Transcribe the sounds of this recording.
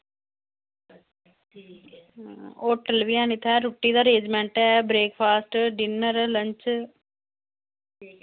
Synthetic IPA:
oːʈelʋiãːnɪt̪ʰɛːɾʊʈːiːd̪aːɾeːd͡ʒmɛ̃ːɳʈɛːbɾeːkpʰaːsʈɖɪnəɾləɲt͡ʃ

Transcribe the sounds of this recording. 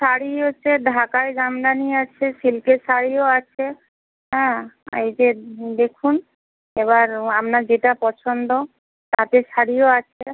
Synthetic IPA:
ʃaɽiɦotːɕʰeɖʱakaeɡamd̪aniat͡ɕʰeʃilkeʃaɽioat͡ɕʰe | ɦɛ̃ḛjd͡ʑed̪ekʰun | eβaɾamnad͡ʑeʈapɔt͡ɕʰond̪o | t̪at̪eʃaɽioat͡ɕʰe

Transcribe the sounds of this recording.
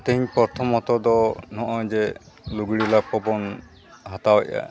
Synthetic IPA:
t̪ɛɦiɲpɔɾt̪ʰɔmɔt̪ɔd̪ɔnɔʔɔ̃d͡ʒɛ | luɡɽilapɔbɔn | ɦat̪awɔ̰ʔa̰

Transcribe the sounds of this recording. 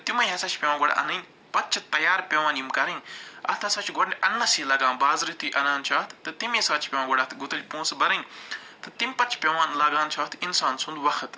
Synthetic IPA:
t̪imɐjɦɐsaːt͡ʃʰpʲeʋãːɡoɽa̰ʔɐ̰nɐnʲ | pɐtt͡ʃʰɐt̪ɐjaːɾpʲeʋaːnimkɐɾɐnɐ̰t̪ʰɐsaːt͡ʃʰɡoɽʲʔɐnːɐsiːlɐɡãːnbaːzɾit̪uːʔɐnaːnt͡ʃʰaːt̪t̪ɨt̪imesaːt͡ʃʰpʲeːʋãːɡoɽɐt̪ʰɡʊt̪ɐlʲpõːnsbɐɾɐn | t̪ɨt̪imʲpɐt͡ʃʰpʲeʋaːnlaːɡãːnt͡ʃʰaːt̪ʰinsaːnsũnd̪ʋɐxɐt̪

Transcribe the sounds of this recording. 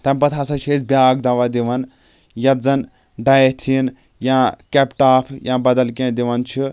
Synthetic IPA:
t̪ɐmʲpɐt̪ʰasɐt͡ʃʰeːzbʲjaːɡd̪aʋad̪iʋɐn | jɐd͡zɐn | ɖaet̪ʰin | jãkepʈaːpʰjãːbɐd̪ɐlkẽd̪iʋɐnt͡ʃʰi

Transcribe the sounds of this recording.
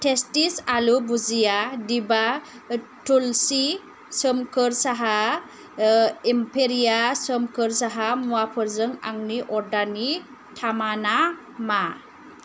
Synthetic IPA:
tʰestisalubuzijadiba | tulsi | səmkʰɯɾsaɦa | impʰeɾijasəmkɯɾsaɦamuapʰɯɾzɯŋa̰ŋniʔɔɾdani | tʰamana | ma

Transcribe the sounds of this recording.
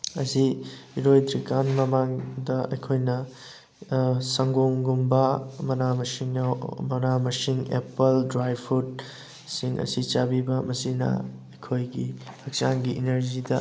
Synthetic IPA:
ɐsiiɾojdɾikanmɐmaŋdɐɐ̰jkʰojnɐ | sɐŋɡoŋɡumbɐmɐnamɐsiŋmɐnamɐsiŋḛpɐldɾajpʰut̚ | siŋʔɐ̰sit͡ʃabibɐmɐsinɐ̰ | ɐjkʰojɡihɐk̚t͡ʃaŋɡiʔineɾzidɐ̰

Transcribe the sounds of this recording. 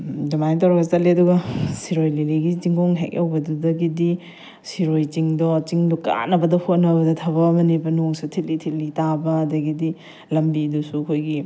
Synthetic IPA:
domantawɾɐɡɐtɐt̚liɐduɡɐsiɾojleliɡit͡ʃiŋɡoŋɦḛkɐwbɐdudɐɡidi | siɾojt͡ʃiŋdɔt͡ʃiŋdɔka̰nɐbɐdɐhot̚nɐbɐdɐtʰɐbɐːmɐnibɐnoŋsutʰit̚litʰit̚litabɐːdɐɡidi | lɐmbidusuɐkʰojɡi

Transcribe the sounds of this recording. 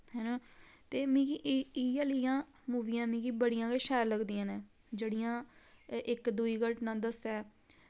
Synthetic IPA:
hɛːnãː | t̪eːmĩːkiʔiːaːləijãː | muːʋiːãːmĩːkiːbəɽijãːkeʃɛːɾləɡd̪iːãːnɛ̃ː | d͡ʒeːɽijãːʔɪkd̪uiːɡəʈnãːd̪əst̪ɛː

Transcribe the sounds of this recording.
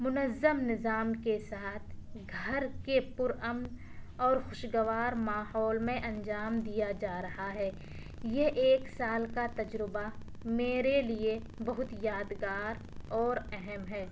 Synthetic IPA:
mʊnəzəmnɪzaːmkesaːt̪ʰɡʱɐɾkepʊɾəmn | ɔːɾxʊʃɡəʋaːɾmaːɦɔːlmẽʔɐ̃nd͡ʒaːmd̪ijad͡ʒaːɾɐɦaɦɛː | jeʔeːksaːlkat̪ɐd͡ʒɾɪba | meːɾelie | bɐɦʊt̪jaːd̪ɡaːɾ | ɔːɾɛɦɛmɦɛː

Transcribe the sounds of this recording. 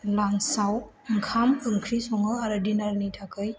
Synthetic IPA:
laŋsaw | ŋkʰamɯŋkʰɾisɔŋɯaɾɯdinaɾnitʰakʰɯj

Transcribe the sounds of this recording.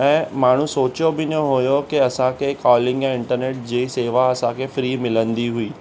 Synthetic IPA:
ɛ̃ːmaːɳ̤ũsoːt͡ɕjobɪnjõɦojokiɐsãkʰekɔːlɪ̃ŋɡjãɪ̃ɳʈəɾneːʈ̚d͡ʑiːseːʋaɐsãkʰefɾiːmɪlə̃nd̪iɦuiː

